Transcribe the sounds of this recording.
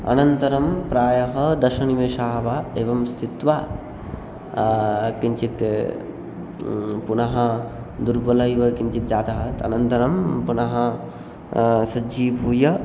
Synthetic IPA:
ɐ̰nɐnt̪ɐɾɐmpɾaːjɐɦɐd̪ɐʃɐniʋeːʃaːʋaeːʋɐmst̪ʰit̪ʋa | kiɲt͡ʃit̪ | punɐɦɐ̆ | d̪uɾbɐlɐjʋɐkiɲt͡ʃit̪̚d͡ʒaːd̪ɐɦɐt̪ɐ̰nɐnt̪ɐɾɐmpunɐɦɐ | sɐd͡ʒiːbʱuːjɐ

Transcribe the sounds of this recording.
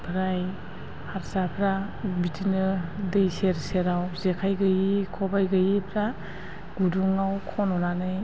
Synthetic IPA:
pʰɾaj | haɾsapʰɾa | bitʰinɯdɯjseɾseɾawzekʰajɡɯjikʰɔbajɡɯjipʰɾa | ɡuduŋawkʰɔnɔnanɯj

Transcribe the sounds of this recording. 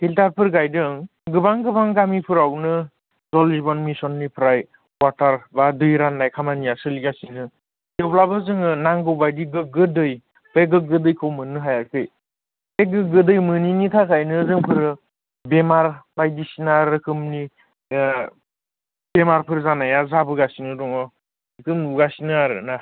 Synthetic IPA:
hiltaɾpʰɯɾɡajdɯŋ | ɡɯbaŋɡɯbaŋɡamipʰɯɾawnɯ | zɔlibɔnmisɔnːipʰɾaj | waɾtaɾbadɯjɾanːajkʰamanijasɯliɡasidɯ | deblabɯzɯŋɯnaŋɡɯwbajdiɡɯɡɯdɯj | pʰeɡɯɡɯdɯjkʰɯwmɯnːɯɦajaɾkʰɯj | pʰeɡɯɡɯdɯjmɯninitʰakʰajnɯːzɯŋpʰɯɾɯ | bemaɾbajdisinaɾɯkʰɯmni | bemaɾpʰɯɾzanajazabɯɡasinɯdɔŋɔ | ɯkʰɯmuɡasinɯaɾɯ̰na

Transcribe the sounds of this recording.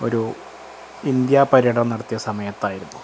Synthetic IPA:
o̞̰ɾu | ind̪jaːpɐɾiɐɽɐmnɐɽɐt̪ːijɐsɐmɐjɐt̪ːaːjiɾunːu

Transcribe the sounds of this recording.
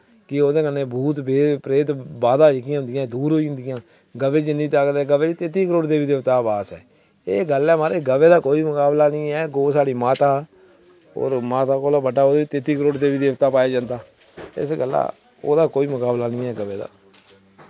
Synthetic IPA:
kɪoːd̪eːkənːẽːbuːt̪beːpɾeːt̪baːd̪aːd͡ʒɪkijãːɦʊnd̪ɪjãːd̪uːɾɦoːiːɦʊnd̪ɪjãː | ɡəʋeːd͡ʒnĩːt̪akd̪ɛːɡəʋeːd͡ʒt̪eːt̪iːkəɾoːɽd̪eːbiːd̪eːʋt̪aːbaːsɛ̰ː | eːɡəlɛːmaːɾeːɡəʋeːd̪aːkoːiːmʊkaːblaːnɪ̃ːɛːɡoːsaːɽiːmaːt̪aː | o̰ːɾmaːt̪aːkoːlaːbəɖaːoːd̪eiːt̪eːt̪iːkəɾoːɽd̪eːbiːd̪eːʋt̪aːpaːjeːd͡ʒãːnd̪aː | ɪ̰sɡəlːa̰ː | o̰ːd̪aːkoːiːmʊkaːblaːnĩːɛːɡəʋeːd̪a̰ː

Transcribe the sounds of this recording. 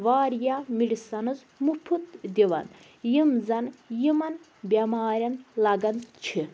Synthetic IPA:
ʋaːɾjamiɽisɐnɐz | mupʰut̪d̪ʲiʋɐ̰n | jimzɐnjimɐn | bʲemaːɾʲɐnlɐɡɐnt͡ʃʰi

